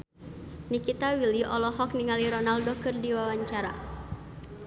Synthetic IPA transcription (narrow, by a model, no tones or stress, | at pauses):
nikit̪awiliʔɔlɔɦɔkniŋaliɾɔnaldɔkɨrdiwawaɲt͡ʃaɾa̰